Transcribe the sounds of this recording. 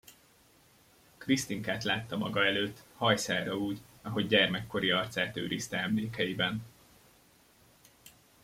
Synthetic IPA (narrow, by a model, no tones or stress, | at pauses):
krist̪iŋkaːt̪laːt̪ːɒmɒɡɒɛløːt̪ːhɒjsaːɾɒuːɟɒɦoɟɟɛrmɛkːo̞ɾiɒrt̪saːt̪ø̰ːɾiːst̪ɛɛmleːkɛjibɛn